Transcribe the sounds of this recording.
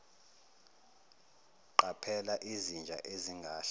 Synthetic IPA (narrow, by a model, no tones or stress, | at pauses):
ǃapʰɛlaʔizind͡ʒʱa̰ʔeziŋɡʱaːɬa